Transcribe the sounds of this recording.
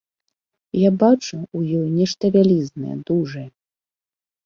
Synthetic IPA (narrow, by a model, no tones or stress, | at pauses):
jabat͡ʂuːjɔjnʲɛʂt̪ɐvʲalʲiznɐ̰jɛ̰d̪uʐɐjɛ